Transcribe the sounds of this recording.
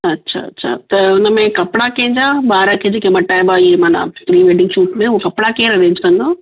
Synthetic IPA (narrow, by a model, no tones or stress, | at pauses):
ɐtːɕʰa̰ɐ̰tːɕʰa̰t̪ɐʊnəmẽkɐpɪɽakẽːɲd͡ʑaːbaːɾəkʰed͡ʑeːkemɐʈaːebaɪɦemaːna̰fɾiːʋeːɖɪ̃ŋɡʃuːʈmẽʊokɐpɽakeːɾɐʋẽːɲd͡ʑkɐ̃nd̪oː